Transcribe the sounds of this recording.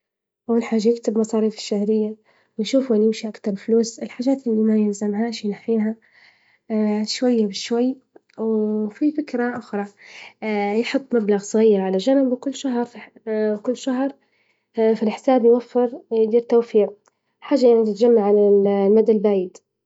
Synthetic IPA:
ʔawːalħaːʒːajɪkt̪ɪbmɑsˤɑːɾiːfɪ̥ʃːahɾɪjːa | wɪjʃuːfuʔɪnjɪmʃiʔakt̪ɑɾˤfluːsɪlħaːʒaːt̪ʔɪlːimajɪlzamɦaːʃjnaħːiːɦa | ʃwajːabɪʃwajː | wfifɪkɾaʔʊxɾˤɑ | jħʊt̪ˤːmablaɣsˤɣiːɾʕalaʒanambkʊlːʃaɦɾˤfwkʊlːʃaɦɾˤ | filħɪ̥saːbjwafːɪɾd̪iːɾt̪awfiːɣ | ħaːʒːajaʕnit̪ɪt̪d͡ʒamːaʕːalallmad̪albaːjɪd̪

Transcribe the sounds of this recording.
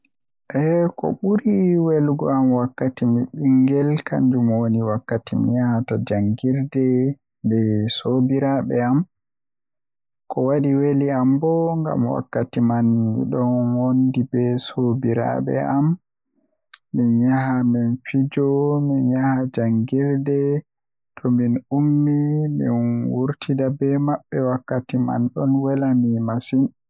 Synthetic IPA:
ʔɛkɔ̰ɓuɾiwɛlɡɔamwakːatimiɓiŋɡɛlkʰa̰ɲd͡ʒumwoniwakːatimḭjahatad͡ʒaŋɡiɾdɛ | bɛsobiɾaɓɛam | kɔwaɗiweliambɔŋɡa̰mwa̰kːatimanmḭɗɔnwondibɛsobiɾa̰ɓɛ̰am | injahaminfid͡ʒɔminjahad͡ʒaŋɡiɾdɛ | tʰɔminumːimḭnwuɾtʰidabɛmaɓːɛwakːatima̰nɗɔnwɛlamimasin

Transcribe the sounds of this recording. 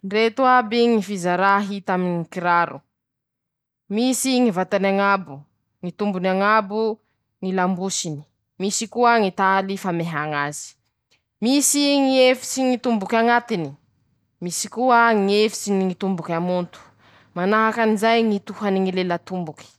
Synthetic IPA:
nret̪uabiŋifizaɾaɦit̪aminikiɾaɾṵ | misiŋivat̪anaŋabu | ŋit̪umbunaŋabu | ŋilambusini̥ | misikuəŋit̪alifameɦaŋazi̥ | misiŋiefi̥siŋit̪umbukʲaŋat̪ini | misi̥kuəŋiefi̥siniŋit̪umbukʲamunt̪u̥ | manaɦakanizajŋit̪uɦaniŋilelat̪umbuki̥

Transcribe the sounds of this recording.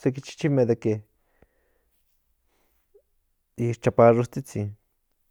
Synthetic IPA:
sek̬it͡ʃi̥t͡ʃimed̪eke | iit͡ʃapaʐost͡s̪it͡sin

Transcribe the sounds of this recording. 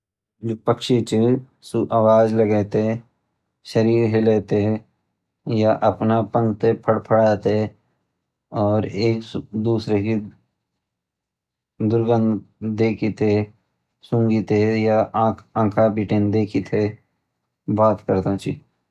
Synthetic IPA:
d͡ʒoːpəkʃit͡ʃe | suʔaʋaːd͡ʒləɡɛːt̪eɦɛ̃ | ʃəɾiːɾɦeleːt̪eɦɛ̃ | jaʔəpnapə̃nt̪epʰəɽpʰəɽaːt̪eɦɛ | ɔːɾeːksd̪uːsɾeki | d̪ʊɾɡə̃nd̪eːkʰit̪e | sʊ̃ŋɡit̪ejaʔãːãːkʰapiʈeːnd̪eːkʰit̪ʰe | baːt̪kəɾt̪ãt͡ʃi

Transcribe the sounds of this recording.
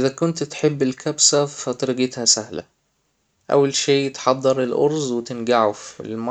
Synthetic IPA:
ʔɪðækʊnt̪t̪ħɪbːɪlkʰæbsafæt̪ɾɪɡɪt̪hæsahla̰ | ʔa̰wːalʃeːʔjɪt̪ħɑd̪ˤːɑɾˤɪlʔʊ̰ɾˤzwɪt̪ɪnɡaʕufɪ̰lmɑ

